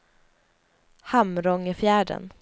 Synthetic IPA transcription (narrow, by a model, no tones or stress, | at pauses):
hamɾɔŋəfjæːɖə̰n